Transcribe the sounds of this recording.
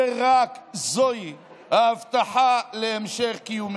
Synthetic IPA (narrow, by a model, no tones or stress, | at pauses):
eʁakzoj | haːvt̪aħaleemʃeχkijum